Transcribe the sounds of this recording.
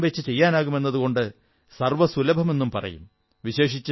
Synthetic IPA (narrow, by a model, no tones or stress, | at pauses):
ʋet͡ɕːɨt͡ɕe̞jːaːnaːɣume̞nːɐðuɣo̞ɳɖɨ | sɐrʋɐsulɐbʱɐme̞nːumpɐrɐ̰jṵm | ʋiɕe̞ːʂit͡ɕː